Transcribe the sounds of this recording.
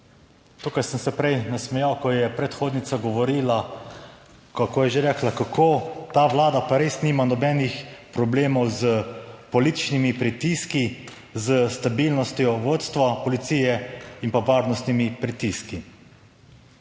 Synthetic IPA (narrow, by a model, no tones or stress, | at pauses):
t̪ukajsəmsɛpɾɛjnasmɛjawkɔjɛpɾɛt̪xoːd̪nit̪saɡɔʋɔɾiːla | kakʰojɛʒeɾɛklakakʰoːt̪aːʋlaːd̪apaɾeːsniːmanɔbɛːnixpɾɔbleːmɔwzəpɔliːt̪i̥t͡ʃnimipɾit̪iski | zəst̪abiːlnɔst̪jɔʋoːt̪st̪ʋapɔlit̪sijɛinpaʋaːɾnɔst̪nimipɾit̪iski